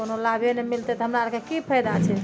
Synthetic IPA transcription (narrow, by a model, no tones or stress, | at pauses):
onolabʱenɛmilt̪ɛt̪ɔɦəmɾaɾkekipʰəjd̪at͡ʃʰɛ